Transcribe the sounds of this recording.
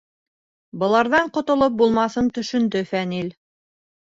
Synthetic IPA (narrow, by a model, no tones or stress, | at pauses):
bɤ̆lˠɑɾðɑɴqŏt̪ŏlˠop̚bulˠmɑθɤnt̪ɵ̆ʃɵ̆nd̪ɵfænil